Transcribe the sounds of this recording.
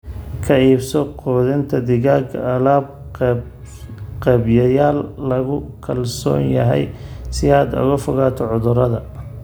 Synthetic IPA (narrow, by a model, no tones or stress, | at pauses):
kʰɐiːbsɔqɔːðɪnt̪ʰɐd̪ɪɣaːɡʰɐɐlaːb̚ | qɛbjɐjaːlːɐɣʊkʰɐlsɔ̰ːnjɐɦɛ̰jsɪaːd̪ʊ̰ɣɐfʊɣaːt̪ʰɔʕʊðʊɾɐðɐ